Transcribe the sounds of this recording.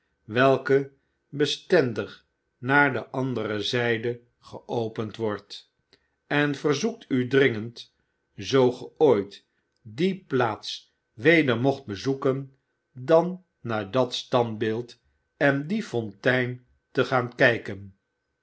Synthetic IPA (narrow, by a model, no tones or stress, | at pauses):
ʋɛlˠkə | bəstɛndəχ | naːɹdəʔɑndərəzɛjdə | χəʔowpəntʋɔɹt | ɛnvərzuk̚tʰydrɪŋənt | zowχəoːjt | diplaːts | ʋejdəɹmoχt̚bəzukən | dɑnː | aːɹdɑtstɑndbɪlˠt | ɛndifɔntɛjn | təχaːnkɛjkən